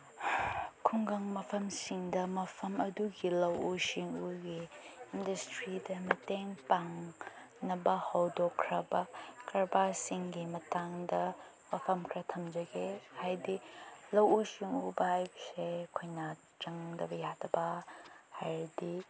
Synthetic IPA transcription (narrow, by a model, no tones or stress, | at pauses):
kʰuŋɡɐŋmɐpʰɐmsiŋdɐmɐpʰɐmɐduɡilɐwusiŋuɡiːndɐstɾidɐmɐteŋpaŋ | nɐbɐhɐwdɔkʰɾɐbɐkɐɾbasiŋɡimɐtaŋdɐ | mɐpʰɐmkʰɾɐtʰɐmd͡ʒɐɡehajdilɐwusiŋubɐhajbɐsekʰojna | t͡ʃɐŋdɐbɐjatʰɐbɐhajdi